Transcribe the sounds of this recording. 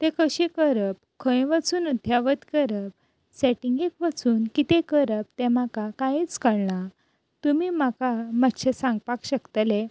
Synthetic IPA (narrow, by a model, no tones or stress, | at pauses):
t̪ekəɕẽkəɾəp̚kʰə̃jʋət͡suːnud̪ʱjaʋət̪kəɾəp̚ | seʈiŋɡekʋət͡suːnkit̪ekəɾəp̚t̪ɛ̃makakajit͡skəɽna | t̪umimakamat̪ɕesãŋɡ̚pakɕəkt̪əle